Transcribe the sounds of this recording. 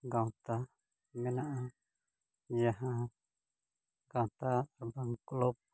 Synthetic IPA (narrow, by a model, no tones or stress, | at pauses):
ɡawt̪a | mɛnaʔa | d͡ʒaɦa | ɡawt̪aɾbaŋklup̚